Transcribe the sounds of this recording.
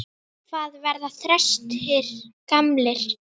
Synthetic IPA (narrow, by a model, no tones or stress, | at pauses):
kvaːðvɛɾðaθɾɛst̪hɪɾ̥kamlɪɾ̥